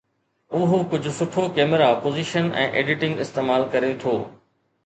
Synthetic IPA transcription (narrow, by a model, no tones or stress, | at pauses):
ʊɦokʊd͡ʑʱʊsʊʈʰokeːməɾapoːziːʃənɛ̰̃ːʔḛːɖɪʈɪ̃ŋɡɪst̪eːmaːlkɐɾet̪ʰoː